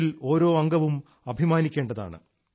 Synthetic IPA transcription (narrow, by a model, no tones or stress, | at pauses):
ilo̞ːɾo̞ːɐŋɡɐʋum | ɐbʱimaːnikʲːe̞ːɳɖɐða̰ːɳɨ̰